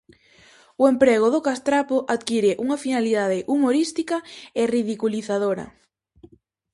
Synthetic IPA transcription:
ʊempɾeɣ̞ʊðʊkast̪ɾapoʔaðkiɾɪʔuŋɐfinaliðaðɪʔumoɾist̪ikɐeriðikuliθaðoɾɐ̰

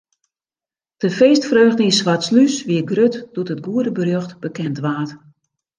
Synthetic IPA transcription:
d̥əfeːstfrøːɣdəinsʋatslysʋiəɡrøtd̥utɦət̚ɡuədəbərøxtb̥əkɛntʋaːt

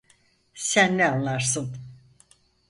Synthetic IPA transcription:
sænːɛanlˠaɾsɯn

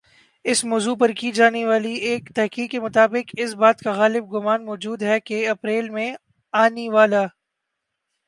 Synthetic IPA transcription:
ɪsmɔːzupɐɾkid͡ʒaːneʋaːlieːkt̪ɛɦkiːkemʊt̪aːbɪqɪsbaːt̪kaɣaːlɪb̚ɡʊmaːnmɔːd͡ʒuːd̪ɦɛkeɐpɾeːlmẽ | aːneʋaːlaː

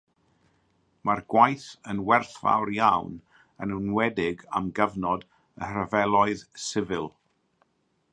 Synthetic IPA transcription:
marɡwajθənwɛrθva̰wɾjawn | ənənwɛdɪɡa̰mɡəvnɔd | əhrəvɛlˠɔɨðsɪvɪlˠ

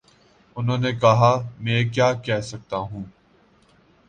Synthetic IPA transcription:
ʊnɦõːnekɐɦaːmɛ̃ːk̬jaːkɛːɦsɐk̚t̪aːɦũː

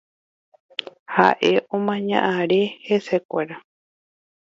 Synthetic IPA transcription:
ha̰ʔe̞ʔõmãɲã̰ʔãɾe̞he̞sekʷeɾa

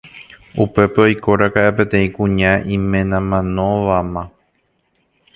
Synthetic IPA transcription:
upe̞peo̞jko̞ɾakaʔepe̞t̪ẽ̞ĩkũɲãʔĩmẽ̞nãmãnõʋamã

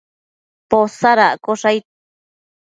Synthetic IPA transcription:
posaɾaʔkoʂaj

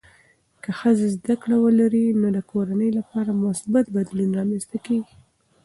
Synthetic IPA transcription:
kəxəzezd̪akɽawəlaɾinod̪əkʰoɾanəjlapɑɾamʊsbat̪̚bad̪lunɾɑmenst̪akeɡi

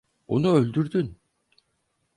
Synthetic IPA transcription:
o̰nuølʲd̪yɾd̪yn

